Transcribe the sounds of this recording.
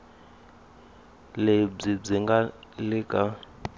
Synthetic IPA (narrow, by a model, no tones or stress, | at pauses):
leb͡ʐib͡ʐiŋɡalikʼa